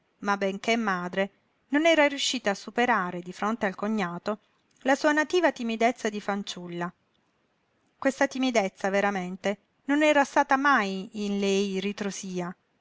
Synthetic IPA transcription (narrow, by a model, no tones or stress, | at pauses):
mabːeŋkemːaːd̪ɾe | nonɛːɾarjuʃːiːt̪aːsːupeɾaːɾed̪ifɾont̪ealkoɲːaːt̪o | lasuːanat̪iːvat̪imid̪et̪sːad̪ifant͡ʃulːa | kwest̪at̪imid̪et̪sːaveɾament̪e | nonɛːɾast̪aːt̪amajinlɛjrit̪ɾosiːa